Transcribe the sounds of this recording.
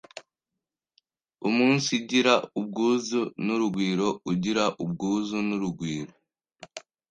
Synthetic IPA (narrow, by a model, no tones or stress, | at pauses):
umuːnsiɟiɾaub̚ɡuːzunuɾuɡwiːɾo̞uɟiɾaʔub̚ɡuːzunuɾuɡwiːɾo